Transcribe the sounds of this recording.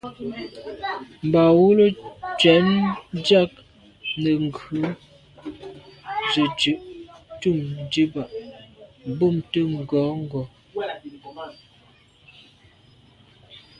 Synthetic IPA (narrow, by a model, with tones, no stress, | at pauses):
m̩˨ba˨wu˦lo˦t͡ʃɥɛ˨˦nd͡ʒa˦k̚ | nə˨ŋ˨ɡʉ˨˦ | zə˨d͡ʒʉ˨ʔtu˦˨md͡ʒi˦ba˨ʔ | bo˦˨mtə˦ŋ̩˨ɡɔ˨˦ŋ̩˦ɡɔ˨